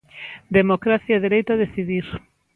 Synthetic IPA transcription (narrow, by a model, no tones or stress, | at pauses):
d̪emokɾaθjaðeɾejt̪aðeθiðiɾ